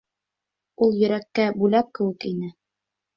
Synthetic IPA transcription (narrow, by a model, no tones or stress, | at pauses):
ulˠjɵ̆ɾækːæbʉlæp̚kɘ̆wɘ̆kinɘ